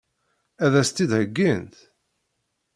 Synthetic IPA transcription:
æðæst̪id̪həɡːint̪

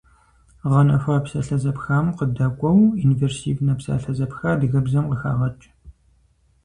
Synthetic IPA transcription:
ʁɐnɐfɐpsɐɬɐzɐpxaːmqədɐkʷʼɔwinveːrsiːvnɐpsa̰ːɬɐzɐpxaːdɨɣɐbzɐmqəxa̰ːʁɐt͡ʃʼ

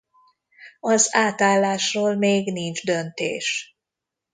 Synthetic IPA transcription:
ɒzaːt̪aːlːaːʃroːlmeːɡnind͡ʒd̪ønt̪ḛːʃ

